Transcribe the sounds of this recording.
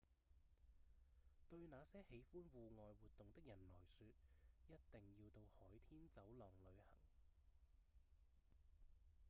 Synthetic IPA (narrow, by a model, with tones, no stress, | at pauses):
t̪ɵ˧ɥnaː˨˧sɛː˥he˨˥jfuː˥nwuː˨ŋɔː˨˧jwuː˨t̚t̪ːʊ˨ŋt̪ɪ˥k̚jɐ˨˩nlɔː˨˩jsyː˧t̚jɐ˥t̚t̪ɪ˨ŋjiː˧wt̪o˧whɔː˨˥jt̪ʰiː˥nt͡sɐ˨˥wlɔː˨˩ŋlɵ˨˧ɥhɐ˨˩ŋ